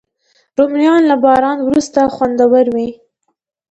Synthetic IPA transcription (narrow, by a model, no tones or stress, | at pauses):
ɾomjɑnlabɑɾɑnwɾust̪axwand̪awaɾwi